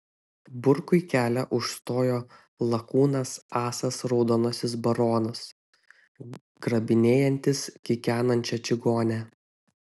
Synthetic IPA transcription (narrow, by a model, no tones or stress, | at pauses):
bʊɾkʊɪkʲæːlʲɛʔʊʃst̪oːjoː | lˠɐkuːnɐsɑːsɐsɾɔʊd̪oːnosʲɪsbɐɾoːnɐs | ɡ̥ɾɐbʲɪnʲeːjɛnʲt̪ʲɪskʲɪkʲæːnɐnʲt͡ʃʲɛt͡ʃʲɪɡoːnʲæ